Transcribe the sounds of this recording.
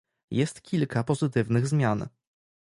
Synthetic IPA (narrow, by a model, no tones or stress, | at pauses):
jɛst̪kʲʰilkapɔzɘt̪ɘvnɘɣzmʲjan